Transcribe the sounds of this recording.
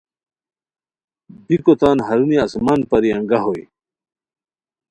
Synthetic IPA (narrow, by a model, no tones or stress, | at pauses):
bikot̪aːnɦɐɾuniɐsmaːnpɐɾiɐ̃ŋɡaɦoj